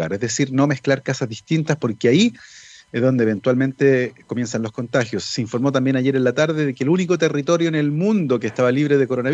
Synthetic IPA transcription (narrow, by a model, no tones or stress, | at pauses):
aɾezðesiɾno̞me̞hklaɾkasazðiht̪int̪aspo̞ɾkeaiezðo̞nd̪eβent̪walment̪eko̞mje̞nsanlo̞sko̞nt̪axjosːeiɱfo̞ɾmo̞t̪ambje̞naʝe̞ɾenlat̪aɾðeðekelunikot̪erit̪o̞ɾjoenelmũnd̪okest̪aβaliβɾe̞ðekoɾona